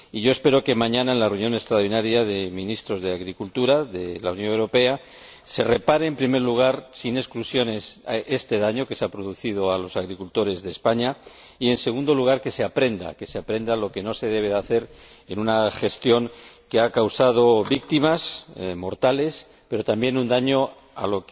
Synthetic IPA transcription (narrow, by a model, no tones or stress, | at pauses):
iʝo̞e̞spe̞ɾo̞ke̞mãɲãnaenlareunjo̞ne̞st̪ɾawɾðinaɾjaðe̞mĩnist̪ɾo̞zðe̞aɣɾikult̪uɾaðe̞launjo̞newɾo̞pe̞a | se̞re̞paɾe̞ːmpɾime̞ɾluɣ̞aɾsine̞sklusjo̞ne̞se̞st̪e̞ðaɲo̞ke̞seapɾoðuθið̞o̞alo̞saɣɾikult̪o̞ɾe̞zðe̞ːspaɲa | ie̞nse̞ɣund̪o̞luɣ̞aɾke̞se̞apɾe̞nd̪a̰ke̞seapɾe̞nd̪alo̞ke̞no̞se̞ð̞e̞β̞e̞ðaθe̞ɾ | enunaχe̞st̪jo̞ŋkeakawsað̞o̞βikt̪imasmo̞ɾt̪ale̞s | pe̞ɾo̞t̪ambje̞nund̪aɲo̞ | a̰lo̞k